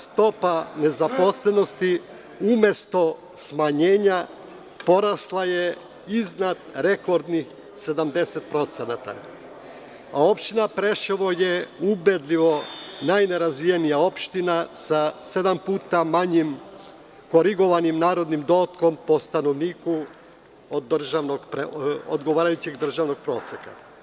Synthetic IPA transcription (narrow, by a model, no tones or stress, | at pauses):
st̪o̞pane̞zapo̞sle̞no̞st̪i | ume̞st̪o̞ | smaɲe̞ːɲa | po̞ɾaslˠaje̞ | iznad̪ɾe̞ko̞ɾd̪nix | se̞d̪amd̪e̞set̪̚pɾo̞t̪senat̪a̰ | ao̞pʃt̪inapɾe̞ʃeʋo̞je̞ubed̪lʲiʋo̞najne̞ɾazʋijenijao̞pʃt̪inasase̞d̪ampuːt̪amaɲim | ko̞ɾiɡo̞ʋanimnaːɾo̞d̪nimd̪o̞ːt̪ko̞mpo̞st̪ano̞ʋniːku | od̪ːr̩ʒaʋnoɡpɾeo̰d̪ɡo̞ʋaːɾajut͡ɕeɡd̪r̩ʒaʋno̞ɡ̚pɾo̞ːseka̰